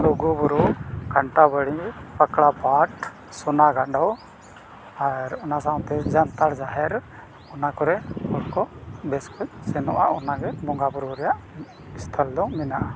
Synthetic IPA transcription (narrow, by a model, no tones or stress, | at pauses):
luɡubɔɾukaɳʈabəɽipəkɽapaʈ | sɔnaɡaɖɔw | aɾɔnasaɔ̃t̪ɛd͡ʒant̪aɽd͡ʒaɦɛɾ | ɔnakɔɾɛɔɽkɔbɛskɔsɛnɔ̰ʔa̰ʔɔnaɡɛbɔŋɡabɔɾɔɾɛjaʔ | ist̪ʰəld̪ɔ̃wmɛnaʔa